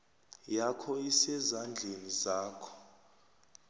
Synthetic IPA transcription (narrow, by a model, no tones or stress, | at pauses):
jakʰɔisɛzand͡ɮʱenizaːkʰɔ̥